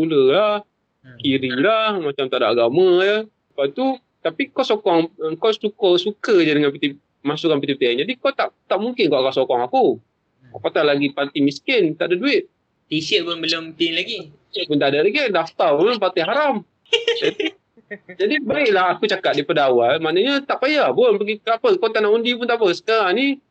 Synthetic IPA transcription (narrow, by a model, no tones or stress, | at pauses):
uləlah | kiɾilahmat͡ʃamt̪aʔdaʔaɡamãjəsəpat̪u | t̪apikɔsokɔŋkɔsukosukəd͡ʒadəŋanpit̪ip̚ | masukanpit̪ip̚t̪iand͡ʒadikɔt̪aʔt̪aʔmuŋkɪnkɔʔakasokɔŋaku | kɔpat̪alaɡipart̪imiskɪnt̪aʔadaduɪt̪̚ | t̪isəʔ̚pʊnbələmt̪ɪnlaɡiisəʔ̚pʊnt̪aʔadalaɡidaft̪abolʊmpart̪iɦaɾam | d͡ʒat̪i | d͡ʒadibaɪʔlahakut͡ʃakat̪̚dipədawalmaʔnəɲat̪aʔpajahbʊnpəɡikapəkot̪anaundipʊnt̪aʔpəsə̥kaɾaŋni